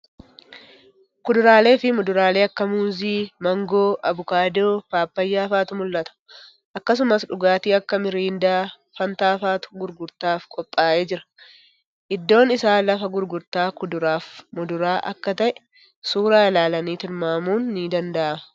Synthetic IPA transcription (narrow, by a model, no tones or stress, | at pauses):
kʊd̪ʊɾaːle̞ːfɪmʊd̪ʊɾaːle̞ːɐkːɐmuːziːmɐŋɡo̞ːʔɐbʊkaːd̪oːpaːpːɐjːaːfaːt̪ʊmʊlːɐt̪ɐ̥ | ʔɐkːɐs̬ʊmɐsᶑʊɡaːt̪iːɐkːɐmɪɾiːnd̪aː | fɐnt̪aːfaːt̪ʊ̥ɡʊɾɡʊɾt̪aːfkʼɔpʼːaːʔe̞ːd͡ʒɪɾɐ̥ | ʔɪd̪ːo̞ːnɪsaːlɐfɐɡʊɾɡʊɾt̪aːkʊd̪ʊɾaːfmʊd̪ʊɾaːʔɐ̰kːɐt̪ɐʔɛ̥ | suːɾaːlaːlɐniːt̪ɪɾmaːmuːnːiːd̪ɐnd̪ɐʔɐmɐ